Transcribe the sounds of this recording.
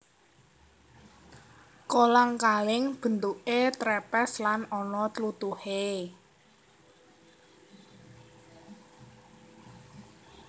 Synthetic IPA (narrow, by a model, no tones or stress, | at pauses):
kolaŋkalɪŋb̥ə̤nt̪uʔet̪ɾɛpɛslanɔnɔt̪əlut̪uhe